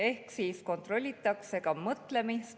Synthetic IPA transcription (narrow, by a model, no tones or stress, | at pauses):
e̞hksiːsko̞nt̪ro̞lʲːit̪ːˑɑkse̞ɡ̥ɑmɤt̪le̞mist̪